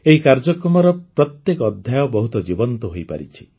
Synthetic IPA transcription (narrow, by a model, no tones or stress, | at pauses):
eɦikaɾd͡ʒɔkɾɔmɔɾɔpɾɔt̪jekɔːd̪ʱjajɔbɔɦut̪ɔd͡ʒibɔnt̪ɔɦojpa̰ɾḭt͡ʃʰi̥